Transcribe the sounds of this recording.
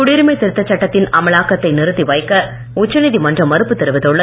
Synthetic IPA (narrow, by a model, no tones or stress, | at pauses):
ʊɽɪɾɯmɐɪt̪ɪɾɯt̪ːɐt͡ʃːɐʈːɐt̪ːɪnɐmɐɭaːkɐt̪ːɐɪnɪɾɯt̪ːiʋɐjkːɐ | ʊt͡ʃːɐnɪðimɐndrɐmɐɾɯpːɯt̪ːɛɾɯʋɐðɔɭːɐ